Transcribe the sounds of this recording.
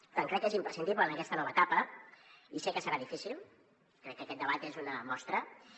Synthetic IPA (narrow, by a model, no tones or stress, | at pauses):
t̪aŋkɾɛkːezimpɾəsind̪iβlənəkɛst̪ənɔβət̪apə | isɛkəsəɾaðifisilˠ | kɾɛkːəkɛt̪̚d̪əβat̪ezunəmɔst̪ɾə